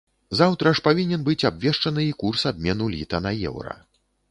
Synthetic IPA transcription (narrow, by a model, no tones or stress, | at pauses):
zawt̪ɾɐʂpavʲinʲɛnbɨt͡sʲabvʲɛʂt͡ʂɐnɨikursab̚mʲɛnulʲḭt̪ɐnɐjɛ̰wɾɐ̰